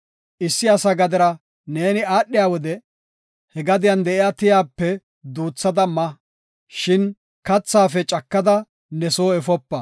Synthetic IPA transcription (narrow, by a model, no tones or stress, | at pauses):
ʔɪsːɪɐsɐɡɐd̪ɪɾɐ | ne̞ːnɪaːɗːɪjaːwɔd̪ɛ | hɛɡɐd̪ɪjɐnd̪ɛʔɪjaːt̪ɪjaːpːɛ | d̪uːt͡sːɐd̪ɐmɐ | ʃɪn | kɐt͡sːaːfɛt͡ʃʼɐkːɐd̪ɐ | nɛsoːɛfɔpːɐ